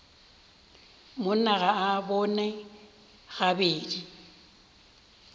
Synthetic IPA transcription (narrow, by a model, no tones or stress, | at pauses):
mʊn̩naɣaabɔnɛ | ɣabeːdi